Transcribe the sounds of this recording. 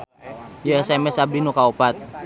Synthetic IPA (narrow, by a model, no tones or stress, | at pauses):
joɛsɛmɛsabinukaupat̪̚